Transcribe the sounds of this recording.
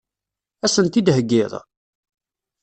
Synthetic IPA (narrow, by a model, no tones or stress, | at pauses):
æsənt̪id̪ɦəɡːɪðˤ